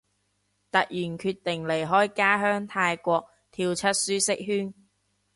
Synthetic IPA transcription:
t̪ɐ˨k̚jyː˨˩nkʰyː˧t̪ɪ˨˩ŋle˨˩jɦɔː˥jkaː˥ɦœː˥ŋt̪ʰaː˧jkʷɔː˧k̚ | t̪ʰiː˧wt͡sʰɐ˥t̚syː˥sɪ˥k̚hyː˥n

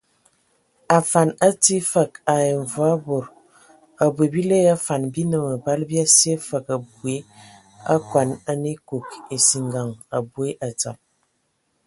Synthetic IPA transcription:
a˨fa˨na˦ti˦fə˦˨ka˨je˨ɱ˨vwa˦bo˨ɾ | a˨bwe˨bi˦le˦a˦fa˨nbi˦nə˨mə˨ba˦lbi˦a˦se˦fə˨ka˨bu˨e˨˦ | a˦kwa˨na˦ni˦ko˨ke˨si˨ŋɡa˨ŋa˨bwe˦ʔa˨t͡sa˨p̚

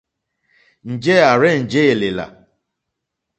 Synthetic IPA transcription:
n̩˨d͡ʒe˦˨a˨ɾɛ˦˨n̩˨d͡ʒe˦˨le˨la̰˨

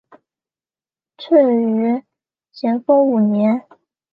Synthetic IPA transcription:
ʈ͡ʂʰə˥˩ny˧˥ | t͡ɕʰjɛ˧˥nfɤ˥ŋu˨˩njɛ˧˥n

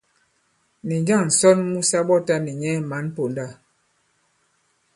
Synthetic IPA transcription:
ni˨d͡ʒa˦˨ŋn̩˨sɔ˦nmu˦sa˦ɓɔ˦ta˦ni˨ɲɛ˦ma˨˦npo˨da˦˨

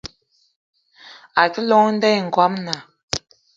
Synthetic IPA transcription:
a˨tə˦lɔ˦ŋ˦n̩˦dɛ˦˨ŋ̩˨ɡwa˨˦mna˨

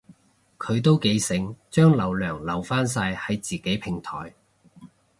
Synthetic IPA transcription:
kʰɵ˨˧ɥt̪o˥wke˨˧jsɪ˨˥ŋt͡ʃœː˥ŋlɐ˨˧wlœː˨˩ŋlɐ˨wfaː˥ns̬aː˧jhɐ˨˧jt͡siː˨˩ke˨˥jpʰɪ˨˩ŋt̪ʰɔ̰ː˨˩j

